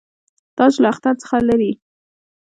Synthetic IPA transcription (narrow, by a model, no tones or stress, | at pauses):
t̪ɑslaaxt̪aɾt͡sə̥xalaɾi